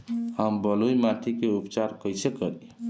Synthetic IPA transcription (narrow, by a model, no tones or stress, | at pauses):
həmbəlojmaʈʰikeupt͡ʃaɾkəjsekəɾi